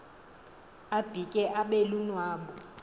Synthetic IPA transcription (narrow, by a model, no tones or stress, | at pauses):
ab̥ʱikʼɛʔaɓelunwaːɓɔ